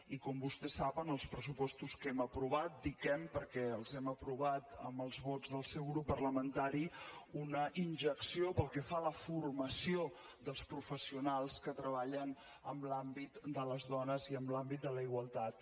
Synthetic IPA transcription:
ikɔmbust̪ɛsːaβənəlˠspɾəsupɔst̪uskɛməpɾuβat̪̚d̪ikɛmpəɾkɛəlˠzɛməpɾuβat̪əməlˠzβɔd͡zzðəlˠsɛwɣɾupːərləmənt̪aɾiunəʔinʲʒəksiopəlˠkɛfaləfurməsio | d̪əlˠspɾufəsiunalˠskət̪ɾəβaʎən | əmblambit̪d̪ələzðɔnəziəmblambit̪̚d̪ələiɣwəlˠt̪at̪̚

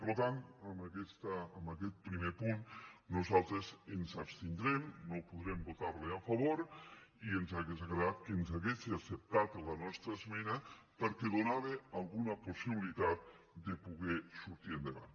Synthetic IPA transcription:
pəɾlot̪ant̪əmakɛst̪aːmbakɛt̪̚pɾimepunːuzalˠt̪ɾezenzapst̪ind̪ɾɛmnopuðɾɛmbot̪aɾleafaβoɾienzaɣezɣɾaðat̪̚kenzaɣesiasep̚t̪at̪lanɔst̪ɾazmɛna | pəɾkeðonaβealˠɣunɐposiβilit̪at̪̚ | d̪epuɣɛsuɾt̪iend̪eβa̰n

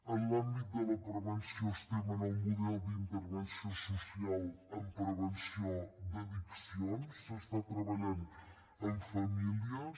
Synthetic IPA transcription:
ənambit̪̚d̪əlɐpɾəβənsjõst̪ɛmənɐwmuðɛld̪int̪əɾβənsiõsusialəmpɾəβənsiod̪əðiksionsəst̪at̪ɾəβɐʎan | əɱfɐmiliə

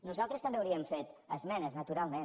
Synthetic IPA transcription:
nuzalˠt̪ɾəst̪əmbeawɾiəmfet̪əzmɛnəznət̪uɾalˠmen

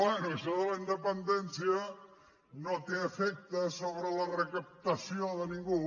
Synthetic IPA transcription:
ɛnuisoðəlaind̪əpənd̪ensjə | not̪eəfek̚t̪əsoβɾəlɐrəkəp̚t̪ɐsijoðənĩŋɡu

